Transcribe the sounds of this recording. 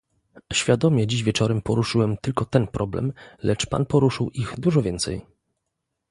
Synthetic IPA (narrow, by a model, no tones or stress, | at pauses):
ɕfʲjad̪ɔmʲjɛd͡ʑiʑvʲjɛt͡ʂɔɾɛmpɔɾuʂɘwɛmt̪ɘlkɔt̪ɛnpɾʔɔblɛ̰mlʔɛt͡ʂpa̰npɔɾuʂɘwʔiɣd̪uʐɔvʲjɛnt̪sɛ̰j